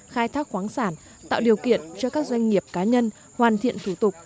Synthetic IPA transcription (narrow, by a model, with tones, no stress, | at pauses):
xaː˧jt̪ʰaː˦˥k̚xwaː˨˦ŋsaː˧˩n | t̪a̰ː˧˨wɗi˨˩əwkḭ˧˨ənt͡ɕɔ˧kaː˦˥k̚zwa˧jŋ̟ŋi˨˩əp̚kaː˨˦ɲə˧n | hwaː˨˩nt̪ʰḭ˧˨ənt̪ʰu˧˩t̪ʊ˨˩k͡p̚